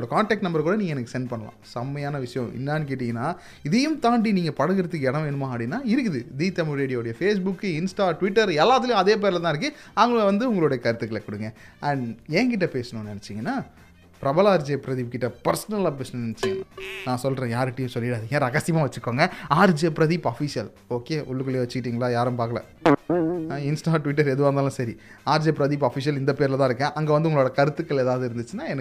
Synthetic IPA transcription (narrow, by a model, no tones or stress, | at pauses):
oɽɐkaːɳʈɛːk̚ʈnɐmbɐɾk̬uːɽɐniːŋɡɐɛnɐkːɯsɛnɖpɐɳːɐlã̰ːsɐmːɐjaːnɐʋɪʂɐjɐ̃ʔɪ̰nːaːnk̬eːʈːɪŋɡɐnːaː | ɪðɛjɯmt̪aːɳɖiniːŋɡɐpɐɽɐɣɪɾɐðɯkːɛɽɐ̃ʋeːɳɯmaːɐpɽinːaːɪɾɯkːɯðɯd̪iːt̪ɐmʊɾeːɽɪjoːɽɐjɐfeːs̬bʊkːɯɪnsʈaːʈʋɪʈːɐɾɛlːaːt̪̬ɪlɐjʊ̃ɐðeːp̬eːɾlɛt̪ãːɪɾɯkːɯɐʋɐŋɡɐɭʋɐnd̪ɯʊŋɡɐɭoːɽɐjɐkɐɾɯt̪ːɯkːɐlɛkʊɽɯŋɡɐɐɳɖɛːk̬ɪʈ̬ːɐpeːsɐɳʊ̃nɛnɛt͡ʃːɪŋɡɐnːaː | pɪɾɐbɐlaːɾd͡ʒeːpɾɐðiːp̚kɪʈːɐpɐɾsɐnɐlaːp̬eːsɐnʊ̃nɛnɛt͡ʃːɪŋɡɐnaːnãːsɔlːɾẽjaːɾɪʈːɪjʊ̃sɔlːɪɽaɐðɯŋɐ̃ɾɐɣɐsɪjɐmaːʋɐt͡ʃːɯɯkːoːŋɡɐaːɾd͡ʒepɾɐðiːpɐfisɪjɐl | oːkeːʔʊ̰ɭːɯkɐljeːʋɐt͡ʃːɯkɪʈːiːŋɡɐɭaːjaːɾɯ̃mpaːɾkɐlɐ̰ | ɪnsʈaːʈʋɪʈːɐɾɛðɯʋaːɾnd̪aːlɐ̃ːsɐɾi | aːɾd͡ʒeːpɾɐðiːpɐːfɪs̬ɪjɐlɪnd̪ɐpeːɾlɐt̪ãɪɾɯkːɛ̃ʔɐŋɡeʋɐnd̪ɯʊŋɡɐɭoːɽɐkɐɾɯt̪ːɯkːɐɭeːðaːʋðɯɪɾɯnd̪ɯt͡ʃːɯnːaːɛnɐ